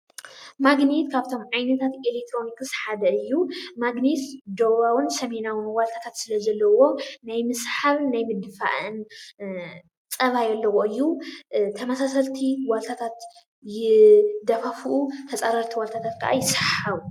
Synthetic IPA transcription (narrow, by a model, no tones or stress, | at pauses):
maɡnit̪kʰaβt̪ʰo̞mʕajnɐt̪ʰat̪elek̚t̪ʰɾo̞nikɨsħad̪ɐɨjːumaɡnisd̪oβawɨnsɐmenawɨnwalt̪ʰḁt̪ʰat̪sɨlɐzɐlːɐwo̞najmɨsħaβnajmɨd̪ɨfa̰ʔɨn | t͡sʼɐβajɐlːɐwoɨjːut̪ʰɐmɐsasɐlt̪ʰiwalt̪ʰat̪ʰat̪ | jɪd̪ɐfɐfuʔut̪ʰɐt͡sʼaɾaɾt̪ʰiwalt̪ʰat̪ʰat̪kʰaʔa̰jɪsħaβu